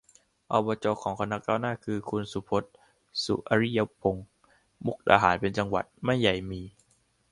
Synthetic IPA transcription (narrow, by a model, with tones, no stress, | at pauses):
ʔɔ˧bɔː˧t͡ɕɔː˧kʰɔː˩˦ŋkʰa˧nːa˦˥k̚kaː˥˩wnaː˥˩kʰɯː˧kʰu˧nsu˨˩˦pʰo˦˥t̪̚ | sṵ˨˩ʔa˧ɾi˦˥ja˦˥pʰːo˧ŋ | mu˦˥k̚ɗa̰ː˧ɦaː˩˦npe˧nt͡ɕa˧ŋwa̰˨˩t̪̚ma˥˩ja˨˩jmiː˧